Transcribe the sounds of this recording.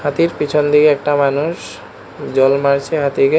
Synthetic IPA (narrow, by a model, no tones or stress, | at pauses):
hat̪iɾpit͡ɕʰɔnd̪ʱikeɛkʈamanuʃ | d͡ʑɔlmaɾt͡ɕʰeɦat̪ike